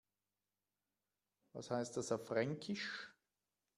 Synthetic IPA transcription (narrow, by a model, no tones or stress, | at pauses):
va̰shaɪst̚d̥asafʁɛŋkʰɪʃ